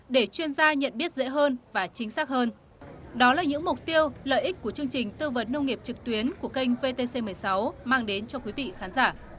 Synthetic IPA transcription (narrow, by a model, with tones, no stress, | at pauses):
ɗe˧˩t͡ɕwi˧ənzaː˧ɲə̰˧˨nɓi˦˥ət̚zḛ˧˥ɦəː˧nvaː˨˩t͡ɕï˨˦ŋ̟saː˦˥k̚həː˧n | ɗɔ˨˦laː˨˩ɲɨ̰˧˥ŋmʊ˨˩k͡p̚t̪i˧əwlə̰ː˧˨jʔi˦˥k̟̚ku˧˩ət͡ɕɨ˧əŋt͡ɕï˨˩ŋ̟t̪ɨ˧və˨˦nːə˧wŋ͡mŋi˨˩əp̚t͡ɕɨ˨˩k̚t̪wi˨˦ənku˧˩əkə˧jŋ̟ve˧t̪e˧se˧mɨ˨˩əjsa˨˦wmaː˧ŋɗe˨˦nt͡ɕɔ˧kwi˨˦vḭ˧˨xaː˨˦nzaː˧˩